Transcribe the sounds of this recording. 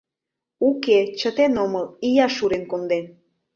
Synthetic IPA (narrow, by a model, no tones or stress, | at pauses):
uket͡ɕət̪enoməlijɑʃuɾenkond̪en